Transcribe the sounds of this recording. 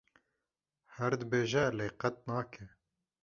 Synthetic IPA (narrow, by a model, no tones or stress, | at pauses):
hɛɾd̪əbeːʒɛleːqɛt̪̚nɑːkʰɛ